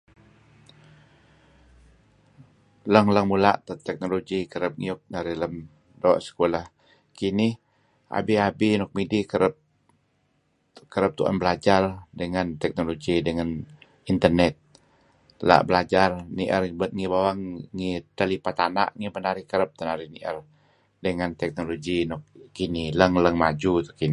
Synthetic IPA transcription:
ləŋləŋmula̰ʔt̪ət̪ɛk̚noloɡikəɾəp̚ŋiʊk̚nəɾiləm | dɔʔsə̥kolah | kinɪh | a̰biabinɔk̚midikəɾəp̚ | kəɾəp̚t̪uʔa̰nbəlad͡ʒardəŋant̪ɛk̚noloɡidəŋan | int̪ərnɛt̪̚ | la̰ʔbəlad͡ʒarniʔərəŋibawaŋːit̪əlipat̪ana̰ʔŋimənaɾɪhkəɾəp̚t̪ənaɾihniʔə̰r | dəŋant̪ɛk̚noloɡinɔk̚ːinɪhləŋləŋmad͡ʒut̪u̥kin

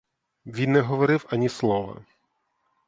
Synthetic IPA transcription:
ʋʲinːɛɦɔʋɔɾɪwɐnʲislˠɔʋɐ̰

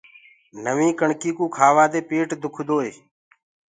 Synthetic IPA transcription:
nəʋĩːkəɳkiːkuːkʰaːʋaːd̪eːpeːʈd̪ʱʊkʰd̪oːeː

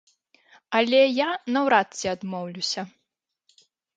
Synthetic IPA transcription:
ɐlʲɛjanɐwɾat̪sʲiad̪mɔwlʲusʲɐ

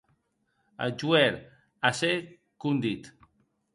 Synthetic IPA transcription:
ə̰d͡ʒuɛɾ | ase | kund̪it̪

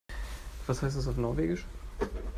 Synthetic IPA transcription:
v̥ashaɪs̬tdas̬aʊfnɔɐveːɡɪʃ

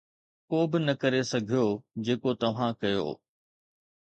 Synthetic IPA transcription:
koːbɪnɐkɐɾesɐɡʱijod͡ʑeːkot̪ɐʋ̤ãkɐjo̰ː

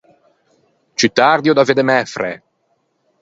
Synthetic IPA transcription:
t͡ʃyt̪aɾd̪jod̪aved̪emɛfɾḛ

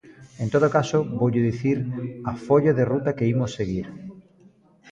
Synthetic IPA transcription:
ent̪oðokasoboʎoðiθiɾafoʎoðerut̪akeimosːeɣ̞iɾ

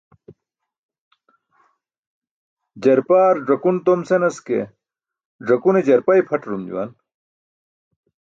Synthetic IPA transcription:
d͡ʑɐɾpaːɾɖɐkunt̪omsenɐskḛ | ɖ͡ʐɐkuned͡ʑɐɾpɐjpʰɐʈɾumd͡ʑṵwa̰n

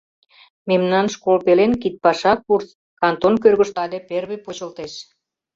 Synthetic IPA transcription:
memnɑnʃkolpelenkit̪̚pɑʃɑkurs | kɑnt̪onkørɣə̆ʃt̪ɑd̪eperβepot͡ɕə̆lt̪eʃ

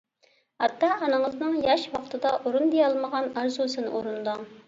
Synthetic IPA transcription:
hɑt̪ʰːɑːnɨŋəznɨŋjɑʃwɑqt̪ʰɨd̪ɑʔoɾund̪ejɑlˠməʁɑnɑɾzusɨnɨ̰ʔoɾund̪ɑ

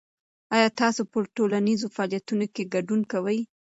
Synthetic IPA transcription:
ɑjɑt̪ɑsopəʈolanizofɑɑljat̪unokeɡaɖunkawəj

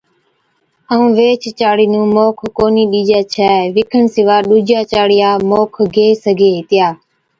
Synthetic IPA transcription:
əũːʋeːt͡ʃt͡ʃaːɽiːnũːmoːkʰːoːniːɗiːd͡ʒaːt͡ʃʰɛːʋɪkʰəɳsɪʋaːɗuːd͡ʒaːt͡ʃaːɽɪjaːmoːkʰɡʱeːsəɡʱeːɦɪt̪ɪjaː

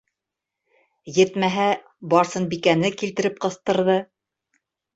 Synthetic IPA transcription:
jɘ̆t̪mæɦæ | bɑɾsɤnbikænɘkilt̪ɘ̆ɾɘp̚qɤ̆θt̪ɤ̆ɾðɤ

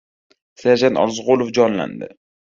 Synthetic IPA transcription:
saɾd͡ʒant̪ɒ̰ɾzʁolˠofd͡ʒɒnla̰nd̪ɪ̰

